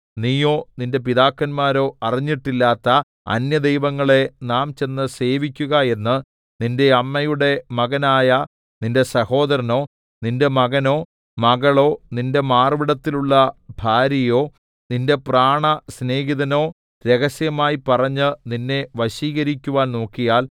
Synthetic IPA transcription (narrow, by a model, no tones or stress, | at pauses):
niːjo̞ːninde̞piðaːkːɐnmaːɾo̞ːɐriɲːiʈːilːaːt̪ːɐ | ɐ̰njɐd̪ejʋɐŋːɐɭe̞naːmt͡ɕe̞nːɨse̞ːʋikʲːuɣɐe̞nːɨ | ninde̞ɐmːɐjuɽe̞mɐɣɐnaːjɐ | ninde̞sɐho̞ːd̪ɐɾɐno̞ː | ninde̞mɐɣɐno̞ː | mɐɣɐɭo̞ːninde̞maːrʋiɽɐt̪ːiluɭːɐbʱaːɾjɐjo̞ː | ninde̞praːɳɐsne̞ːɡiðɐno̞ː | ɾe̞ɣɐsjɐmaːjipɐrɐɲːɨninːe̞ʋɐɕiːɣɐɾikʲːuʋaːnno̞ːkːijaːl